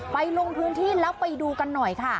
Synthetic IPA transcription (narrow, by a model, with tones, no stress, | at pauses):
pa˧jlo˧ŋp̪ʰu˧nt̪ʰiː˥˩lɛ˦˥wpːa˧jduː˧ka˧nːɔ˨˩jkʰa˥˩